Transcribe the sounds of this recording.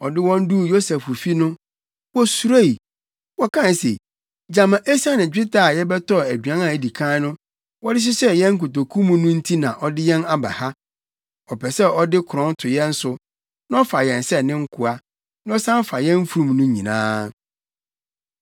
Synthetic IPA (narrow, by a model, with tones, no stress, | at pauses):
ɔ˨dɪ˦wɔ̃˦n˦du˦˨jo˦sɛ˨fʊ˨fi˦nʊ̃˦ | wɔ˦su˨ɾa˦i˨ | wɔ˦kʰã˦˨n˨se˨ | d͡ʑã˨mã˨ʔe˦sa˦nɪ̃˨d͡ʑᶣɪ˦ta˨jɛ˦bɛ˦tɔ˦˨æ˨dɥã˦nã˨æ˨di˨kʰãː˦nʊ̃˦ | wɔ˦dɪ˦s̬ɪ˦sɛ˦jɛ̃˦ŋ̩˦k̬ʊ˨to˨kʰũ˦mũ˦nʊ̃˦n̩˦tʰi˦nã˨ʔɔ˨dɪ˦jɛ̃˦na˦ba̰˨ha˦ | ɔ˨pʰɛ˨sɛ˦ɔ˦dɪ˦kʰʊ˨ɾɔ̃˦n˦tʰʊ˨jɛ̃˦n̩˦sʊ˦ | nã˦ɔ˦fa˨jɛ̃˨n˨sɛ˦nɪ̃˦ŋ̩˦kʰʊ˨a˦ | ñ˦ɔ˦sã˦m˦fa˨jɛ̃˦m˦fu˦˨ɾũ˦˨mnʊ̃˦ɲḭ̃˨nã̰ː˦